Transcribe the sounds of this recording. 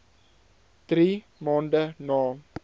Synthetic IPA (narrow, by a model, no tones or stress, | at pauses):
d̥ri | mɑːndənɑː